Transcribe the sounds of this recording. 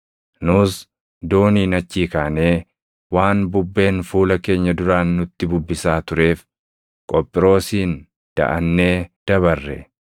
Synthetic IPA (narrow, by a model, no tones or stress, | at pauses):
nʊs | d̪o̞ːniːnɐt͡ʃːiːkaːne̞ː | waːnbʊbːe̞ːnfuːlɐke̞ːɲːɐd̪ʊɾaːnːʊt̪ːɪbʊbːɪsaːt̪ʊɾe̞ːf | kʼɔpʼːɪɾo̞ːsiːn | d̪̥ɐ̰ʔɐnːe̞ːd̪̥ɐβɐrːɛ̰